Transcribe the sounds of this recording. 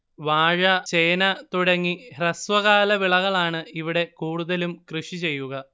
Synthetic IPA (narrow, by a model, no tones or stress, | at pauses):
ʋaːɻɐt͡ɕe̞ːnɐt̪uɽɐŋːirɐsʋɐɣaːlɐʋiɭɐɣɐɭaːɳɨiʋiɽe̞kuːɽuðɐlumkrɨʂit͡ɕe̞jːuɣɐ